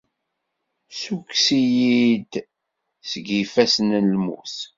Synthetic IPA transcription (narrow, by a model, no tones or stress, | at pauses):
suksijid̪ | səɡifæsnnlmṵθ